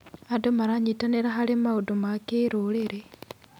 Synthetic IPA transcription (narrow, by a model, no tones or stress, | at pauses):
adomaɾaɲitaneɾaɦalimaudumakeɾuleɾe